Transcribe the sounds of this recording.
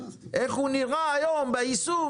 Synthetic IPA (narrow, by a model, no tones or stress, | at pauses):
eɣuniɣajɔmbaisu